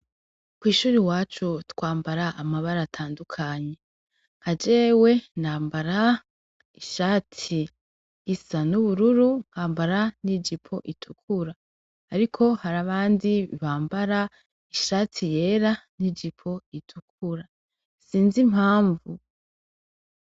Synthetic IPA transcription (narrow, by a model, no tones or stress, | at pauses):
kwiːʃuːɾiwaːt͡ʃutwaːmbaɾaʔamaβaɾatʰaːndukʰaɲe̞ | ŋ̥had͡ʒe̞we̞naːmbaɾa | iʃaːtʰiː | sanuβuɾuɾuŋ̥haːmbaɾanid͡ʒipʰo̞ʔitʰukʰuɾaː | ɾikʰo̞haɾaβaːndiβaːmbaɾa | iʃaːtʰije̞ɾanid͡ʒipʰo̞itʰuk̚ʰuɾa | siːnzim̥haːɱvu